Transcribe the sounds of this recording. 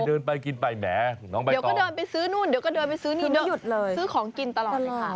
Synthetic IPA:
dɤː˧npa˧jki˧npa˧jmɛ̰ː˩˦nɔː˦˥ŋpa˧dwɔ˥˩dɤː˧npa˧jsɯː˦˥nu˥˩˨ndiː˨˦wkɔ˥˩dɤː˧npa˧jsɯː˦˥niː˧˩˧u˨˩t̪̚lɤː˧jsɯː˦˥kʰɔː˩˦ŋki˧nt̪a˧lɔː˨˩˧a˦˥˩

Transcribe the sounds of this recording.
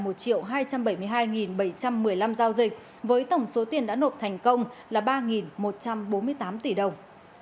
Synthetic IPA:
mo˨˩t̚t͡ɕḭ˧˨əwɦaː˧jt͡ɕa˧mɓə˧˩jmɨ˧əjɦaː˧jŋi˨˩nɓə˧˩jt͡ɕa˧mːɨ˨˩əjla˧mzaː˧wzï˨˩k̟̚ | vəː˨˦jt̪ə˧˩wŋ͡mso˨˦t̪i˨˩ənɗa̰ː˧˥no˨˩t̚t̪ʰɛ˨˩jŋ̟kə˧wŋ͡mlaː˨˩ɓaː˧ŋi˨˩nmo˨˩t̚t͡ɕa˧mɓo˨˦nmɨ˧əjt̪aː˨˦mt̪i˧˩ɗə˨˩wŋ͡m

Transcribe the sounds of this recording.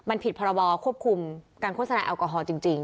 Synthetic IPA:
ma˧npʰi˨˩t̪̚pʰɔː˧ɾɔ˧bɔː˧kʰu˥˩əp̚kʰu˧mkaː˧nkʰoː˥˩t̪̚sa˧na̰ː˧ʔa˧wkɔː˧ɦɔː˧t͡ɕi˧ŋt͡ɕi˧ŋ

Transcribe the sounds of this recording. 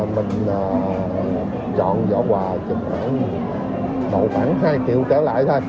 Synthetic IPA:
mï˨˩ŋ̟ː˨˩ | t͡ɕɔ̰˧˨nzɔ̰ː˧˥kwaː˨˩t͡ɕə˨˩m̚xa̰ː˧˩n˨˧ | ɗə̰˧˨˩wxaː˧˥nɦaː˧jkḭ˧˨əwkə˧˩˦la̰ː˧˨jt̪ʰə˧j

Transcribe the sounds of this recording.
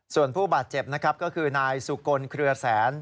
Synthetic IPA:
su˨˩ənpʰuː˥˩baː˨˩t̪̚t͡ɕe˨˩p̚na˦˥kʰɾa˦˥p̚kɔː˥˩kʰɯː˧naː˧jsu˨˩ko˧nkʰɾɯ˧ɐsɛː˩˦n

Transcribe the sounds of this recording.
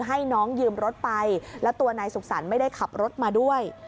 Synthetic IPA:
ɦa˥˩jnɔː˦˥ŋjɯː˧mɾo˦˥t̪̚pa˧jlɛ˦˥wt̪u˧ɐnaː˧jsu˨˩k̚sa˩˦nma˥˩jda˥˩jkʰa˨˩p̚ɾo˦˥t̪̚maː˧du˥˩əj

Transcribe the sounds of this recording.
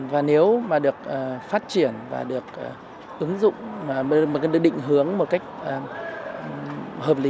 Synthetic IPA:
vaː˨˩ne˨˦wmaː˨˩ɗɨ˨˩ək̚ə˨˩faː˦˥t̚t͡ɕi˧˩ənva̰ː˨˩ɗɨ˨˩ək̚ʔ | ʔɨ˨˦ŋzʊ̰˧˨ŋ͡maː˨˩˨ɗk̚ɗḭ˧˨ŋ̟ɦɨ˨˦əŋmo˨˩t̚ka˦˥jk̟̚ʔ | həː˨˩p̚li˨˦

